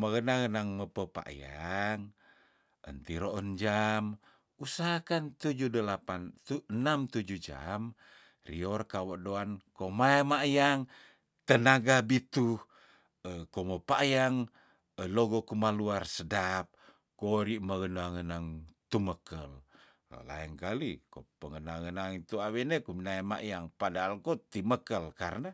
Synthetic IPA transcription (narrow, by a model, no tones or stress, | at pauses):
maɡənaŋənaŋməpəpa̰ʔja̰ŋ | ə̰nt̪iɾoʔənd͡ʒam | usaɦakant̪ud͡ʒudəlapant̪unamt̪ud͡ʒud͡ʒa̰m | rḭɔrkawoʔdoankomaemajaŋ | t̪ənaɡabit̪u | əkoməpajaŋ | əloɡokumaluarsədap̚ | koɾiʔmaɡənaŋənaŋt̪uməkəl̰ | la̰əŋkalikopəŋənaŋənaŋit̪uawɛnekuminajma̰ʔjaŋpadaɦalkot̪iməkəlkaɾəna